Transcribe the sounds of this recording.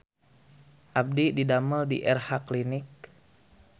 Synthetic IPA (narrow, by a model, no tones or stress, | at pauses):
ʔab̚dididaməldḭʔɛrhaklinɪk̚